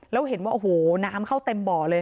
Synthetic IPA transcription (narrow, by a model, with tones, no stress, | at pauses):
lɛː˦˥wɦe˨˩˦nwaː˥˩ʔo˨˩hoː˨˩˦naː˦˥mkʰa˥˩wt̪e˧mbɔː˨˩lɤː˧j